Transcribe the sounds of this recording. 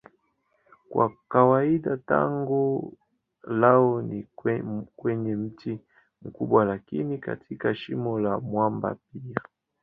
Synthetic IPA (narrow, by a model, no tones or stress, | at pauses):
kwa̰kawaiɗata̰ŋɡu | laɔni | kwɛɲɛm̩ti | mukuɓwalakinika̰tʰikaʃimɔlamwamba̰p̚ia